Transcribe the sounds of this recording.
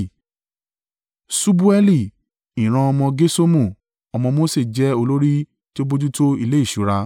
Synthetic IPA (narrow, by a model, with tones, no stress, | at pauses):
su˦bu˦ɛ˦li˦˨ | ĩ˨ɾ̃ã˧ɔ˧mɔ̃˧ɡe˦so˦mũ˦˨ | ɔ˧mɔ̃˧mo˦se˦˨d͡ʒɛ˦o˧lo˦ɾi˦ | ti˦o˦bo˦d͡ʒu˦to˦i˧˨le˦i˦˨ʃu˨˦ɾa˧